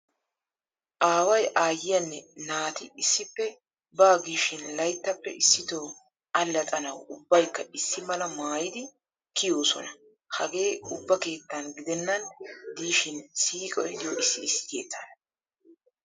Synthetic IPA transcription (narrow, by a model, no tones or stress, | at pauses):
ʔaːwɐjʔaːjːɪjɐnːɛnaːt̪ɪɪsːɪpːɛ | baːɡiːʃɪnlɐjt̪ːɐpːɛ̰ɪsːɪt̪oː | ʔɐlːɐt̪ʼɐnɐwʊbːɐjkːɐɪsːɪmɐlɐmaːjɪd̪ɪ | kɪjo̞ːsɔ̰nɐ | hɐɡe̞ːʊbːɐke̞ːt̪ːɐnɡɪd̪ɛnːɐnd̪iːʃɪnsiːkʼɔjd̪ɪjoɪsːɪːsːɪ̥t̪jḛːt̪ːɐnɐ